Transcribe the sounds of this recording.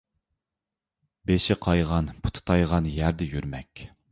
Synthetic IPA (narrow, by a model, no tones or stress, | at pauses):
beʃɪqʰɑjʁɑnpʰʊ̥t̪ʰɨ̥t̪ʰɑjʁɑnjæɾd̪ɪjyɾmɛkʲ